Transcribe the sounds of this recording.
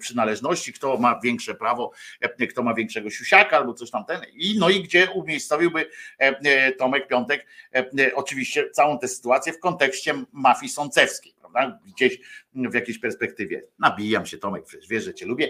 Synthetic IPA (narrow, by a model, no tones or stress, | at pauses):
pʂɘnalɛʐnɔɕt͡ɕikt̪ɔmavʲjɛŋkʂɛpɾavɔkt̪ɔmavʲjɛ̃ŋkʂɛɡɔɕuɕakaalbɔt̪sɔɕt̪amt̪ɛninɔiɡd͡ʑɛumʲjejssɔvʲiwbɘ | t̪ɔmɛk̚pʲjɔnt̪ɛkʔɔt͡ʂɨvʲiɕt͡ɕɛt̪sawɔ̃w̃t̪ɛsɘ̥t̪uat̪sʲjɛfkɔnt̪ɛkɕt͡ɕɛmafʲisɔnt̪sɛfskʲejpɾavd̪aɡd͡ʑeɕvjakʲejɕpɛɾspɛk̚t̪ɘvʲjɛ̰nabʲijamɕɛt̪ɔmɛk̚pʂɛt͡ɕɛʐvʲjɛʐɛt͡ɕɛlubʲjɛ